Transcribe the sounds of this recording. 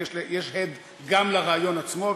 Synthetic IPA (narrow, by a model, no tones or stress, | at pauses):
ʃlejeʃhed̪ | ɡamlaʁaːjo̞nat͡smo̞v